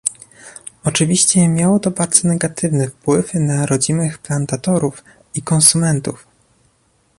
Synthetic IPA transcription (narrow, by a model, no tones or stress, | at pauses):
ɔt͡ʂɘvʲiɕt͡ɕɛmʲjawɔt̪ɔbaɾd̪z̥ɔnɛɡat̪ɘvnɘfpwɘfnaɾɔd͡ʑinɘxplant̪at̪ɔɾuf | ikɔnsumɛnt̪uf